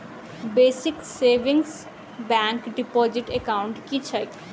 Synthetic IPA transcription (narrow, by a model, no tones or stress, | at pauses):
beːsikseʋĩŋɡs | bɛŋkɖipɔd͡ʒiʈekaʊɳʈkit͡ʃʰəj